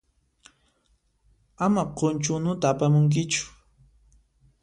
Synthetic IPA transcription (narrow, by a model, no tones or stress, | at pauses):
amaqont͡ʃʊnʊt̪aːpamʊŋk̬ɪt͡ʃʊ̥